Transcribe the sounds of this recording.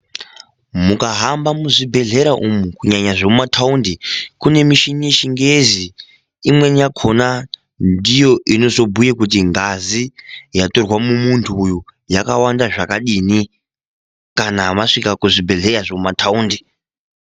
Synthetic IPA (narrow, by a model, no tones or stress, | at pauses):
mukaɦambamuʐibʱe̞ɮe̞ɾaʔumukuɲaɲaʐomumatʰaundikune̞miʃinieʃiŋɡezi | imwe̞njakʰo̞na | ndijo̞ʔino̞zo̞bʱujekutiŋɡazijato̞rwamumuntʰuːjujakawandaʐakaɗini | kanamaʂikakuʐibʱe̞ɮe̞raʐomumatʰauːndi